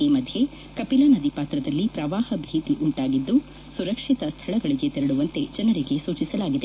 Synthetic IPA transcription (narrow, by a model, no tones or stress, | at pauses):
iːmɐd̪ʱje̞ | kɐpilɐnɐd̪ipaːt̪ɾɐd̪ɐlːipɾɐʋaːhɐbʱiːt̪iʔuɳʈaːɡid̪ːu | suɾɐkʂit̪ɐst̪ʰɐɭɐɡɐɭiɡe̞t̪ɛɾɐɽuʋɐnt̪e̞d͡ʒɐnɐɾiɡe̞suːt͡ʃisɐlaːɡid̪e